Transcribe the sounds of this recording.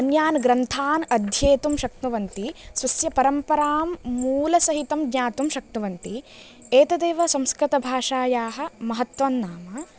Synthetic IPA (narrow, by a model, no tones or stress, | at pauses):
ɐnjaːnɡɾɐnt̪ʰaːnɐd̪ʱjeːt̪umʃɐk̚t̪uʋɐnt̪isʋɐsjɐpɐɾɐmpɐɾaːmːuːlɐsɐɦit̪ɐmɡɲaːt̪umʃɐk̚t̪uʋɐnt̪i | eːt̪ɐd̪eːʋɐsɐ̃mskɾit̪ɐbʱaːʂaːjaːɦɐ̆mɐɦɐt̪ʋɐnːaːmɐ